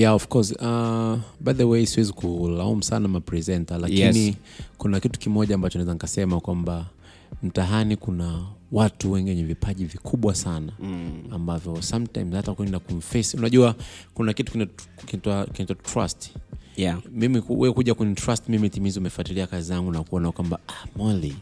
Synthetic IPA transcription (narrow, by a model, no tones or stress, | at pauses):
jaɔfkɔsabajðəwejsiwɛzikulaum̩sanamapɹɛzɛntalakini | kunakitu̥kimɔʄaːmbat͡ʃɔnaɛzanikasɛmakwamba | m̩taɦanikunawatuwɛŋɡiwɛɲɛvipaʄivikʰuɓwasanaːmbavjɔsamtãjmzhatakuɛndakuɱ̩fɛsiunaʄuakunakitu̥kin | kinitwakinitwatɹa̰st | mimikuɛkuʄakɛɲɛtɾastmimitimiziumɛfuatiliakazizaŋɡunakuɔnakwambaamali